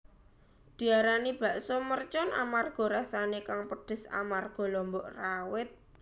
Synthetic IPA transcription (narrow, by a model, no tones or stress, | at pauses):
d̪̥i̤aɾanib̥a̤ʔsomərt͡ʃɔnʔa̰marɡ̥ɔ̤ɾasanekaŋpəd̥ə̤sa̰marɡ̥ɔ̤lɔmbɔʔrawɪt̪̚